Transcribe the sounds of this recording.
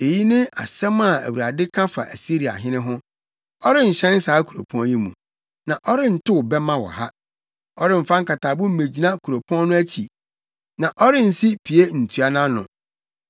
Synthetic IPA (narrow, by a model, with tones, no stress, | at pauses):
e˨ji˦nɪ̃˦a̰˨sɛ̃˦m˦a˨æ̰˨wu˨ɾa˨dɪ˦kʰã˦fa˨ʔæ̰˨si˦ɾi˨a̰˨ɦɪ̃˦nɪ̃˦ɦʊ̃˦ | ɔ˦ɾɪ˦n̩˨ɕɛ̃˦n̩˦saː˨˦kʰu˨ɾo̰˨pʰɔ̃˦nji˦mṵ̃˨ | nã˨ʔɔ˦ɾɪ˦n̩˨tʊ˦ʊ˨bɛ˦mã˦wɔ̰˨ha˦ | ɔ˦ɾɪ˦m̩˨fã˦ŋ̩˦ka˨tʰaː˨bʊ̃˦m̩˦mẽ˨d͡ʑi˨nã˦kʰu˨ɾo˨pʰɔ̃˦n˦nʊ̃˦æ˦t͡ɕʰi˨ | nã˨ʔɔ˦ɾɪ˦n̩˨si˦pʰi˨e˦n̩˨tʰu˨a˦nã˦nʊ̰̃˨